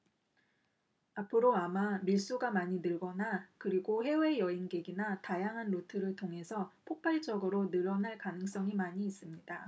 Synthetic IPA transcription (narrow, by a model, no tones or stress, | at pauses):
apʰɯɾoamamiɭs͈uɡamaɲinɯɭɡʌnakɯɾiɡohe̞we̞jʌinɡe̞ɡinatajaŋɦanɾotʰɯɾɯɭtʰoŋɦe̞sʰʌpʰok̚p͈aɭt͡ɕ͈ʌɡɯɾonɯɾʌnaɭkanɯŋs͈ʌŋimaɲiːs͈ɯmɲida